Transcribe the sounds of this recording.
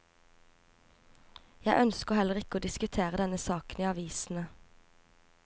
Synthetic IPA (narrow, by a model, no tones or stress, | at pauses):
jæɪʔœnskəhɛləʁɪkəoːd̪ɪskʉt̪ʰeːʁəd̪ɛnəsɑːkəniːɑʋiːsn̩ə